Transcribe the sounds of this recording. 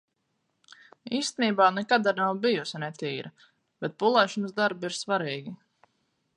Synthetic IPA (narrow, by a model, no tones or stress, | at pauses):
iːst̪eniːbaːnɛkad̪aɾnawbijusinɛt̪iːɾa | b̥ɛt̪̚pulˠɛːʃɔnəsd̪aɾbiɾsvaɾiːɡʲi